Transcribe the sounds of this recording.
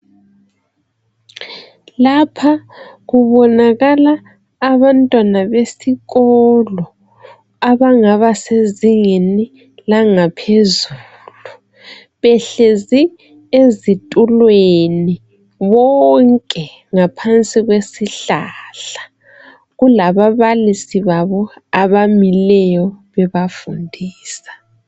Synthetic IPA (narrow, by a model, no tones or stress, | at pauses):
lapʰaɣuβɔnaɣalaː | βantʼwanaβesiɣɔlɔ | aβaŋaβaseziŋeni | laŋapʰezu | lu | βɛɬezi | ezitʼulweni | βɔŋkʼɛ | ŋapʰant͡sʼiɣwesiɬaɬḁ | ɣulaβaβalisiβaβɔaβamilɛjɔβɛβafundʱiːsḁ